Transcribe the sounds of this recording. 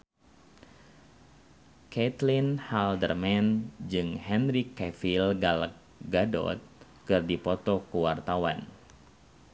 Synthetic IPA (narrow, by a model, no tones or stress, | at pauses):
kɛt̪linhaldərmɛnd͡ʒɨŋhɛnrikːɛfilɡalək̚ɡadɔ̰t̪̚ | kɨrdipɔt̪ɔkuwart̪awa̰n